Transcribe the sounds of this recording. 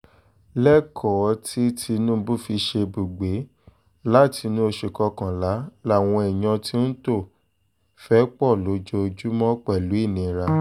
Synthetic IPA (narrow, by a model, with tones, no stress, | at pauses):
lɛ˦kʰɔ˨˦tʰi˦tʰi˧nũ˦˧bu˦˨fi˧ʃe˧bu˨ɡ͡be˨˦ | la˦˨tʰi˧nũ˦o˧ʃe˨kɔ˧kã˨la˨˦la˦˨w̃ɔ̃˧ɛ˨j̃ã˧ti˦n̩˦to˦˨ | fɛ˦k͡pɔ˦˨lo˨˦d͡ʒo˧d͡ʒu˦mɔ̃˦k͡pɛ˦˨lu˨˦i˦˨nĩ˨˧ɾa˧